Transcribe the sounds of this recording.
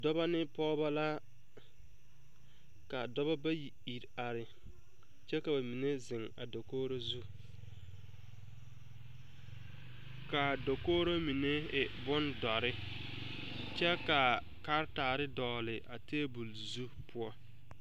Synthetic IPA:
dɔ˦ba˦nɪ˦pɔ˦ba˦la˦ | ka˨dɔ˦ba˦ba˦ji˨i˨ɾa˨ɾɪ˨ | t͡ʃɛ˦ka˨ba˨mi˨ne˦zɪ˨ŋa̰˨do˨koː˦ɾo˦zu˦ | ka˨do˨koː˦ɾo˦mi˨ne˦ɪ˨bʊ˦ndɔ˨ɾɪ˦ | t͡ʃɛ˦ka˨ | ka˦ɾtaː˨ɾɪ˦dɔː˨lɪ˨ʔa˨teː˦bu˨l | zu˦pʰʊ˦ɔ˦

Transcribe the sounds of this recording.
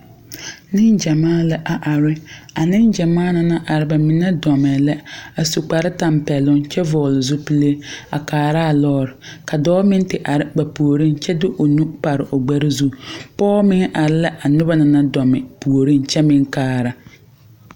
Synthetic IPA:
nɪ˦nd͡ʒa˨maː˦la˨ʔa˨ʔa˨ɾɪ˦a˨nɪ˦nd͡ʒa˨maː˦na˨na˦ʔa˨ɾɪ˦ba˨mɪ˨nɛ˦dɔ˨mɛ˨lɛ˦a˨su˨k͡pa˨ɾɪ˦ta˨mpɛ˨lʊ˦ŋt͡ʃɛ˦vɔː˨lɪ˨zʊ˦pi˦le˦a̰˨kaː˨ɾa˦˨lɔː˦ɾɪ˨ka˨dɔː˦mɪ˦n˦tɪ˨ʔa˨ɾɪ˦ba˨pu˨o˨ɾi˦nt͡ʃɛ˦dʊ˦ʔo˨nu˦pa˨ɾɪ˨ʔo˨ɡ͡ba˦ɾɪ˦zu˦pɔː˦mɪ˦ŋ˦ʔa˨ɾɪ˦la˦ʔa˨nʊ˦ba˦na˨na˦dɔ˨mɛ˨pu˨o˨ɾi˦nt͡ʃɛ˦mɪ˦ŋkaː˦˨ɾa˨

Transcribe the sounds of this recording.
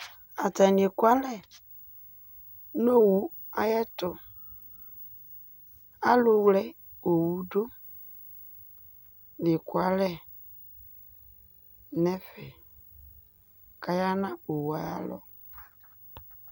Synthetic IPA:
a˨ta˨n˨e˨kwa˦lɛ˦ | no˦˨wu˨ | a˦jɛ˦tʊ˨ | a˦lʊ˨wlɛ˦ | o˨wu˨do˦ | nɪ˨kwa˨lɛ˦ | nɛ˦fɛ˨ | ka˨ja˦nã˦o˨wa˨ja̰˦lɔ̰˦

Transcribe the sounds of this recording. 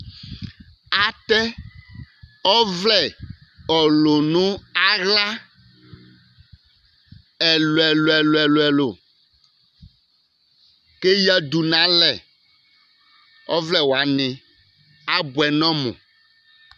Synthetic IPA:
a˨t̪ɛ˦ | ɔ˦vlɛ˦ɔ˨lo˨nũ˦a˦ɣla˦ | ɛ˨lo˨ɛ˨lo˨ɛ˨lo˨ɛ˨lo˨ɛ˨lo˨ | ke˦ja˦d̪u˨nã˨˦lɛ˨ | ɔ˦vlɛ˦wo˨a˨nẽ˨ | a˦bu˨ɛ˨nɔ̃˦mɔ̰̃˨

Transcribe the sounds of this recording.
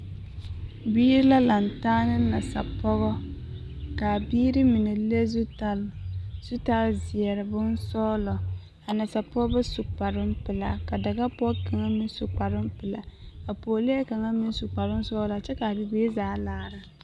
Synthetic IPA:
biː˦ɾi˦la˦la˨ntaː˦nɨ˦na˨sa̰˨pʰɔ˦ɣɔ˦ | ka˨biː˦ɾɨ˦mɪ˨nɛ˨le˦zu˦ta˦˨lz̥u˦ta˦lzɪ˨ɛ˨ɾɨ˨bʊ˦n˦sɔː˦lɔ˨ | a˨na˨sa˨pɔ˦ɡbɛ˦su˨k͡pa˨ɾɨ˦m̩˦pɨ˨la̰˨ka˨da˨ɡa˦pɔ˦ka˨ŋa˦mi˦n˦su˨k͡pa˨ɾɪ˦m˦pɨ˨la˨ka˨poː˨le˦ɛ˦ka˨ŋa˦mɪ˦n˦su˨k͡pa˨ɾɨ˦n˦sɔː˦la˨t͡ʃɛ˦ka˨bɨ˨beː˦zaː˦laː˦˨ɾa˨

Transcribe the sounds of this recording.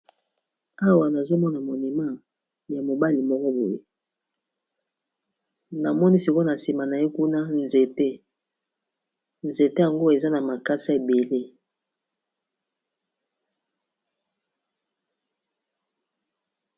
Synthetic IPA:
a˦wa˨na˨zo˦mɔ˦na˨mo˨ni˨ma˦˨ | ja˨mo˨ba˦li˨mɔ˦kɔ˦bo˨je˦ | na˨mɔ˦ni˦si˨ko˦na˨si˨ma˨na˨je˦ku˦na˦nze˨te˦ | nze˨te˦ja˨ŋɡo˦e˨za˦na˨ma˨ka˦sa˦e˨be˨le˦

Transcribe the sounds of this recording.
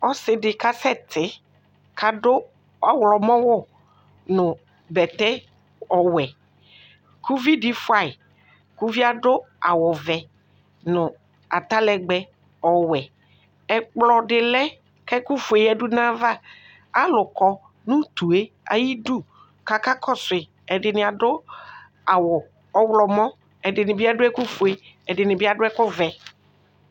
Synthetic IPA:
ɔ˦sɪ˨dɪ˨ka˦sɛ˦t̪ʰɪ˨˦ | kʰa˨dʊ˦ | ɔ˦wlɔ˨mɔ̃˦wʊ˦ | nʊ̃˨ | bɛ˨t̪ɛ˦ | ɔ˨wɛ˨ | kʰu˦vi˦di˦fʊ˦a˨ɪ˨ | ku˦vi˦a˦ɖʊ˦ | a̰˨wɔ˨vɛ˨ | nʊ̃˨ | a̰˨t̪a˦lɛ˨ɡ͡bɛ˦ | ɔ˨wɛ˨ | ɛ˨k͡plɔ˨dɪ˨lɛ˦ | kɛ˦ku˦fu˨e˨jɛ˦du˦nã˦va˦˨ | a˦lʊ˨kɔ˨ | nʊ̃˦t̪u˨e˦ | a̰˨ji˦du˦ | ka˨ka˦kʰɔ˦sʊ˨ɪ˨ | ɛ˨dɪ˨nɪ̃˨a˨dʊ˦ | a˨wʊ˨ | ɔ˦wlɔ˨mɔ̃˦ | ɛ˨dɪ˨nɪ̃˨bɪ˦a˦dʊ˦ɛ˦ku˦fe˨ | ɛ˨dɪ˨nɪ̃˨bɪ˦a˨dʊ˦ɛ˦kʊ˦vɛ˨

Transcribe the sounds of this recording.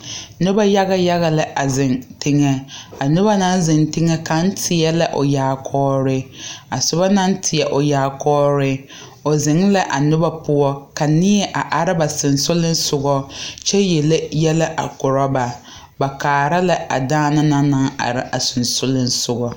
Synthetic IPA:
nʊ˦ba˦ja˦ɣa˦ja˦ɣa˨lɪ˦ʔa˨zɪ˨ntɪ˦ŋɛ˦a˨nʊ˦ba˦na˦nzɪ˨ntɪ˦ŋɛ˦ka˨n̩˦tʰɪ˨ɛ˦la˦ʔo˨jaː˨kʰɔː˦ɾɪ˦a˨sʊ˨ba˦na˦n˦tʰɪ˨jɛ˨ʔo˨jaː˨kɔː˦ɾɪ˦ | o˨zɪ˨ŋla˦ʔa˨nʊ˦ba˦pʊ˦ɔ˦ka˨nɪ˦ɛ˦ʔa˨ʔa˨ɾɪ˦ba˨sɪ˨nsʊ˦lɪ˦n̩˦sʊ˨ɡɔ˦t͡ʃɛ˦jɛ˨le˦jɛ˦lɪ˦ʔa̰˨kʊ˨ɾɔ˦ba˨ | ba˨kaː˨ɾa˦la˦a̰˨daː˦na˦na˦na˦ŋa̰˨ɾɪ˦ʔa˨sʊ˨nsʊ˦lɪ˦n˦sʊ˨ɡɔ˨

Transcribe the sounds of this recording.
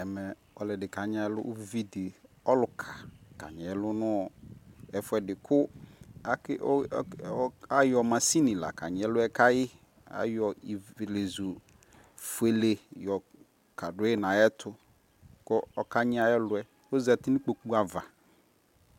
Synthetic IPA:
ɛ˨mɛ˨ | ɔ˨lɛ˨dɪ˨ka˨ɲ˦a˨ɛ˦lʊ̰˦ʔvi˦dɪ˨ | ɔ˦lʊ˨kʰa˨ka̰˨ɲɛ˨ɛ˦lʊ˦nʊ̃˦ɔ˨ɛ˨fʊ˦ɛ˨dɪ˨kʰʊ˦a˨˦kɪ˦ʔa˦jɔ˨mã˨si˦nĩ˨la̰˨ka˨ɲɪ̃˨ɛ˦lʊ˦ɛ˦ka˦jɪ˦ | a̰˨˦jɔ˨i˨le˨zu˨ | fʊ˨˦e˨le˨jɔ˨ | ka˨dʊ˨˦ɛ˦nã˨jɛ˦tʰʊ˦ | kɔ˦ɔ˨ka˦ɲɪ˦a˨ɛ˦lʊ˨˦ɛ˨ | o˦zɛ˨t̪ɪ˦nĩ˦k͡po˨k͡pu˦a˨va˨

